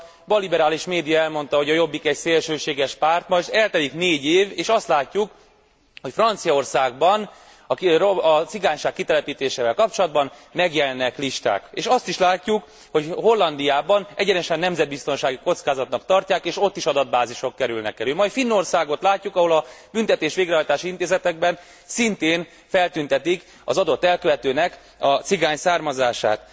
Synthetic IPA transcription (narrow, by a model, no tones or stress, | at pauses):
bɒlibɛɾaːliʃmeːd̪ijɒɛlmo̞nt̪ɒɦo̞ɟɒjo̞bːikɛcseːlʃøːʃeːɡɛʃpaːrt̪mɒʒt̪ɛlt̪ɛlikneːɟeːveːʃɒst̪laːcːuk | ho̞cfrɒnt̪sijɒo̞rsaːɡ̚bɒn | ɒkɒt̪siɡaːɲʃaːkːit̪ɛlɛpiːt̪eːʃeːvɛlkɒp̚t͡ʃo̞lɒd̪bɒnmɛɡjɛlɛnːɛkliʃt̪a̰ːkeːʃɒst̪iʃlaːcːuk | ho̞cho̞lːɒnd̪ijaːbɒnɛɟɛnɛʃɛnːɛmzɛd̪̚bist̪o̞nʃaːɡiko̞t̪skaːzɒt̪nɒkt̪ɒrcaːkeːʃo̞t̪ːiʃɒd̪ɒd̪̚baːziʃo̞kːɛɾylnɛ̰kːɛlymɒjfinːo̞rsaːɡo̞t̪laːcːukɒɦo̞lɒbynt̪ɛt̪eːʃʋeːɡɾrɛɦɒjt̪aːʃiint̪eːzɛt̪ɛɡ̚bɛn | sint̪eːn | fɛlt̪ynt̪ɛt̪ik | ɒ̰zɒd̪o̞t̪ːɛlkøvɛt̪øːnɛk | ɒt̪siɡaːɲsaːrmɒzaːʃa̰ːt̪